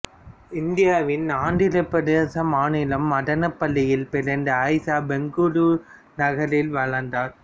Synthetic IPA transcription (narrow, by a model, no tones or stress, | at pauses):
ɪnd̪ɪjaːʋɪnaːɳɖɪlɐpːɐɽɐsɐmaːnɪlɐmːɐɽɐnɐpːɐɭːɪjɪlpɪɾɐnd̪ɐɐɪsaːbɛŋɡuɾu | nɐɣɐɾɪlʋɐɭɐnd̪aːɾ